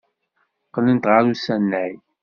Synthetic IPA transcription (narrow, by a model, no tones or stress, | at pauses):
qːlənt̪ʁəɾusænːæj